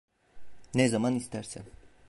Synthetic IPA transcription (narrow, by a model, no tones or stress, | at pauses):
nezamanist̪ʰæɾsæ̰n